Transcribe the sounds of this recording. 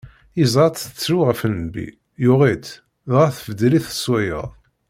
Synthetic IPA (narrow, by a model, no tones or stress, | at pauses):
izɾˤɑt̪θə̥t͡sːɾuʁəfənbḭ | jʊʁit̪ | ðʁəθəvəd̪liθə̥swæjə̰ðˤ